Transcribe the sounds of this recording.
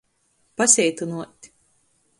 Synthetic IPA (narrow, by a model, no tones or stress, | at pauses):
pasʲɛjt̪unuɔt̪ʲ